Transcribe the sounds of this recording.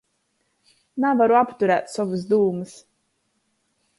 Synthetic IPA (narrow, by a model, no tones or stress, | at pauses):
navaɾuapt̪uɾæːt̪sɔvɨs̬d̪uːmɨs